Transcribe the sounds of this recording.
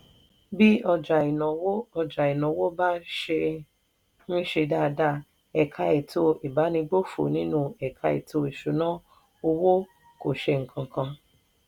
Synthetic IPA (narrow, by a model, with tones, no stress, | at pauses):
bi˦ɔ˧d͡ʒa˨i˨nɔ̃˨wo˦ɔ˧d͡ʒa˨i˨nɔ̃˨wo˦ba˦ʃe˧ | nĩ˦ʃe˧da˦˧da˧ | ɛ˨kʰa˧i˨tʰo˧i˨ba˨˦nĩ˧ɡ͡bo˦fo̰˨nĩ˦nũ˦ɛ˨kʰa˧ḭ˨tʰo˧i˨ʃu˨nã˦ | o˧wo˦ | ko˨ʃe˧ŋ̩˨kʰã˨˧kã˧